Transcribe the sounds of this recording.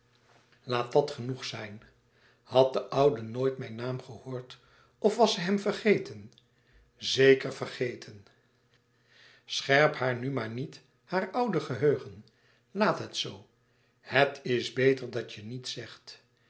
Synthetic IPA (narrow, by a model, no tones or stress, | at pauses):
laːt̚dɑtχənuχsɛjn | hɑt̚dəʔʌwdənoːjtmɛjnaːmχəhoːɹt | ɔfʋɑsɛjɦɛmvərχejtʰən | zejkəɹvərχejtʰən | sχɛɹphaːɹnymaːɹnit | haːɹʌwdəχəɦøɥχən | laːtɦətsow | hətʰɪsbejtəɹdɑt͡ʃənitsɛχt